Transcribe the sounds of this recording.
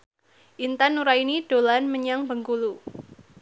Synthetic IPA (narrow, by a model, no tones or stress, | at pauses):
ʔint̪anuɾainid̥o̤lanməɲaŋbəŋkulu